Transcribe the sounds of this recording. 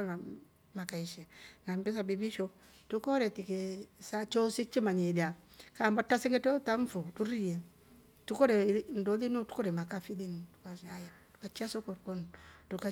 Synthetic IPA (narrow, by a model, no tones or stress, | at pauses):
ŋa | makaiʃɛŋambɛs̬abibiʃɔ | tukɔɾɛtikesat͡ʃɔsik̚t͡ʃimaɲedia | kambatasiŋɡɛtɔtaɱ̩futuɾijɛ | tukɔɾɛndolinutu̥kɔɾɛmakafilintu̥kajatu̥kat͡ʃiasɔkɔɾkɔntuka